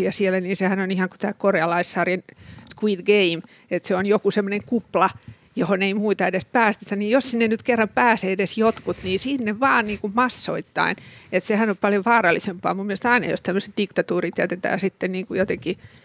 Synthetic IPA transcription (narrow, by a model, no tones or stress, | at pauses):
jɑsielːæniːsehænonihɑŋku̥t̪æːkoreɑlɑisːɑrjenskwiːd̪ɡeim | et̪seonjokusemːoneŋkuplɑ | johoneimuit̪ɑedespæːst̪et̪æniːjjossinːenyt̪kerːɑmpæːseːedesjot̪kut̪niːsinːeʋʋɑːnniːŋkummɑsːo̰it̪ːɑ̰inet̪sehænopɑljoʋʋɑːrɑlːisempɑ̰ːmumːielest̪ɑinɑ̰jo̰st̪æmːøse̥t̪̚d̥ikt̪ɑt̪uːrit̪ːeæyt̪et̪æ̰ːsit̪ːenniːŋkujot̪eki